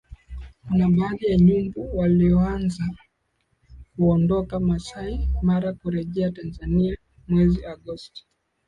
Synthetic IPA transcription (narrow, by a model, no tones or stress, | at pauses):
kunaɓaːðijaɲumbuwaliɔanza | kuɔndɔkamasaimaɾakuɾɛʄɛatanzania | mwɛziʔaɠɔsti̥